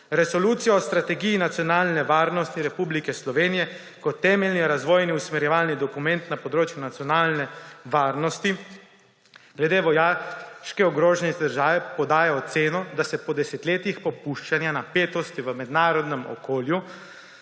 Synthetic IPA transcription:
ɾɛsɔluːt̪sijɔɔst̪ɾat̪ɛɡijinat̪sijɔnaːlnɛʋaːɾnɔst̪iɾɛpublikɛslɔʋeːnijɛ | kɔt̪ːɛːmɛlniɾazʋoːjniusmɛɾjɛʋaːlnid̪ɔkumɛnt̪napɔd̪ɾoːt͡ʃjunat̪sjɔnaːlnɛʋaːɾnɔst̪i | ɡ̥lɛd̪eːʋɔjaːʃkɛɔɡɾoːʒɛnɛd̪əɾʒaːʋɛpɔd̪aːjɛɔt̪seːnɔd̪asɛpɔd̪ɛsɛt̪leːt̪ixpɔpuʃt͡ʃanjanapeːt̪ɔst̪iʋəmɛd̪naːɾɔd̪nɛmɔ̰koːlju

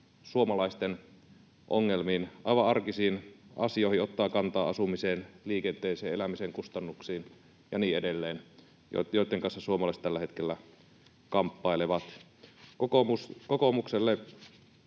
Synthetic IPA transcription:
suomɑlɑist̪en | ʔo̰ŋːelmiːnʔɑiʋɑɑrkisiːnɑsioˑhiot̪ːɑːkɑnt̪ɑːɑsumiseːnliːkent̪eːseːelæmiseŋkust̪ɑnːuksiːn | jɑniːedelːeːn | jo̰joˑit̪ːeŋkɑnsːɑsuomɑlɑist̪ælːæhet̪kelːæ | kɑmpːɑileʋɑt̪ | okouskokomukselːe

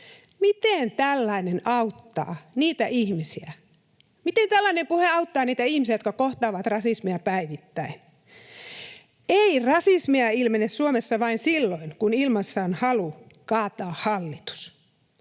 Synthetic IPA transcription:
mit̪ent̪ælːɑinenɑut̪ːɑ̰ːniːt̪æʔihmisiæ | mit̪ent̪ælːɑinempuheɑut̪ːɑːniːt̪æihmisiæjot̪kɑkoht̪ɑːʋɑt̪rɑsismiɑpæiʋit̪ːæin | eirɑsismiɑilmenessuomesːɑʋɑinsilːoinkunilmɑsːɑːnhɑlu | kɑːt̪ɑːhhɑlːit̪u̥s

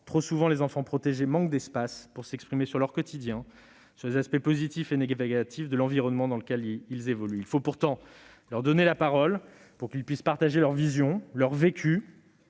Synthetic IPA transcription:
t̪χosuvɑ̃lezɑ̃fɑ̃pχɔt̪eʒemɑ̃k̚d̪ɛspaspuʁsɛkspχimesyʁlœʁkɔt̪id̪jɛ̃ | syʁlezaspɛpozit̪ifeneɡaɡat̪ʰifd̪əlɑ̃viʁɔnmɑ̃d̪ɑ̃ləkʲɛlilzevɔlyilfopuʁt̪ɑ̃ | lœʁd̪ɔnelapaʁɔl | puʁkʲilpɥispaʁt̪aʒelœʁvizjɔ̃lœʁvekʲʰy

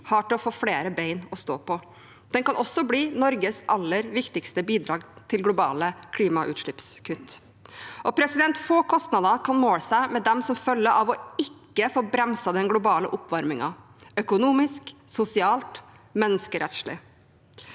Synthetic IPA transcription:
hɑʈɪlɔfoːfleːɾəbeɪnɔst̪oːpʰɔ | d̪̥ɛnkɑnʔɔsːɔbliːnɔɾɡəsʔɑlːəɾʋɪkt̪ɪkst̪əbiːd̪ɾɑːɡt̪ʰɪlɡlʊbɑ̰ːləkʰliːmɑʔʉ̰ːt̪ʂɭɪpskʰʉt̪ː | ʔɔpʰɾɛsɪd̪ɛnt̪foːkʰɔst̪nɑd̪ɑkʰɑnmoːləsæɪmɛd̪ɛmsɔmfœlːəɾʔɑʋɔɪkːəfoːbɾɛmsɑd̪ɛnɡlʊbɑːlə̰ʔʊpʋɑɾmɪŋɑ̰ | œkʊnuːmɪsksʊsɪɑːlt̪ | mɛnːəskəɾɛt̪ʂɭɪ̰

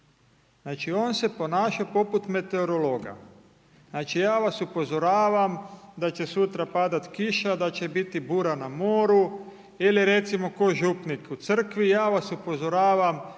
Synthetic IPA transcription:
znaːt͡ʃio̞ːnse̞po̞naːʃapo̞put̪me̞t̪e̞oɾo̞lo̞ːɡa̰ | naːt͡ʃijaːʋasupo̞zo̞ɾaːʋamd̪at͡ɕe̞sut̪ɾapad̪at̪kiʃad̪at͡ɕe̞bit̪ibuːɾanamo̞ːɾu | iliɾe̞t̪simo̞ko̞ʒupnikut̪sr̩kʋijaːʋasupo̞zo̞ɾaːʋam

